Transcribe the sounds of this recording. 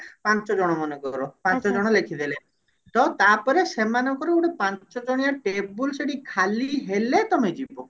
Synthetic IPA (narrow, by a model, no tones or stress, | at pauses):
pãnt͡ʃɔd͡ʒɔɽ̃ɔmɔnekɔɾopãnt͡ʃɔd͡ʒɔɽ̃ɔlekʰid̪ele | t̪ɔt̪apɔɾesemanɔkɔɾeuɽepãnt͡ʃɔd͡ʒɔɽ̃ijaʈebulseʈikʰaliɦelet̪ɔmed͡ʒibɔ